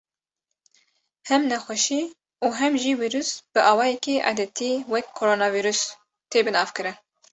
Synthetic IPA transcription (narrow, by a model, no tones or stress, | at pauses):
hɛmnɛxʷɛʃi | uːɦɛmʒiːwiːɾusb̥ɨʔɑːwɑːjɛkiʔa̰ːd̪ɛt̪ʰiwɛkʰːoɾoːnɑːviɾus | t̪ʰeːbɨnɑːvkɨɾɨn